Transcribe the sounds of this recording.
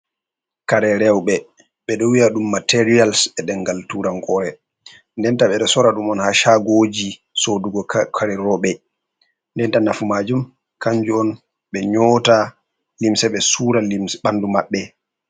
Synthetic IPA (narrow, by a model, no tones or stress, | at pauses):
kaɾɛɾɛwɓɛ | ɓɛɗɔwiaɗumːatɛɾialsɛɗɛnɡaltuɾaŋkɔɾɛ | ndɛntaɓɛɗɔsɔɾaɗumɔnhaʃaɡod͡ʒisoduɡɔkʰaɾɛɾɔɓɛ | ndɛntanafumad͡ʒum | kaɲd͡ʒuɔn | ɓɛɲɔːta | limsɛɓɛsuːɾaliɓandumaɓːɛ